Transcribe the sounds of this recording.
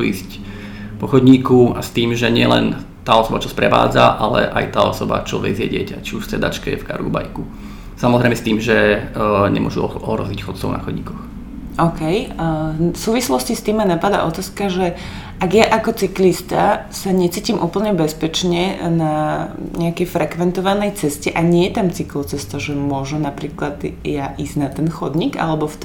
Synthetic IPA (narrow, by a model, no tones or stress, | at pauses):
uḭːsc | pɔxɔd̪ɲiːkuast̪iːmʒɛɲɪɛlɛ̰n | t̪aːɔsɔbat͡ʃɔspɾɛʋa̰ːd͡zaʔalɛ̰ʔajt̪aːɔsɔba̰t͡ʃɔʋɛ̰ɡzɪɛ̰ɟɪɛcat͡ʃiuʃft͡sɛd̪a̰t͡ʃkɛɛfka̰ɾṵba̰jku | samɔzɾɛɪmɛst̪iːmʒɛɲɛ̰mʊɔʒuɔɦɾɔ̰zicxɔt̪̚t͡sɔʊna̰xɔdɲiːkɔx | ɔʊkɛj | fsuːʋislɔscist̪iːmːanapad̪a̰ʔɔt̪aːskaʒɛ | ʔaɡjaʔakɔt͡siklist̪a | saɲɛt͡siːcimʔuːpl̩ɲɛbɛspɛt͡ʃɲɛnaɲɛakɛjfɾɛkʋɛnt̪ɔʋanɛjt͡sɛscɛʔaɲɪɛjɛt̪amt͡siklɔt͡sɛst̪aʒɛmʊɔʒunapɾiːklad̪jaʔiznat̪ɛnxɔd̪ɲiɡa̰lɛbɔf